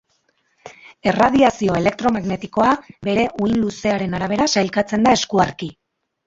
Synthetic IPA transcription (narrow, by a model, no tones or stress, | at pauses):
e̞raðiasio̞e̞le̞k̚t̪ɾo̞maɣne̞t̪iko̞abe̞ɾe̞ʔujnluse̞aɾe̞naɾaβ̞e̞ɾasajlkat͡se̞nd̪ae̞skuaɾki